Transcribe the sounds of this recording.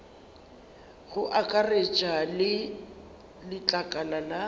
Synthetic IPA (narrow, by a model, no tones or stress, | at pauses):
ɣʊʔakʼaret͡ʃʼalɪ | lɪt͡ɬʼakʼanana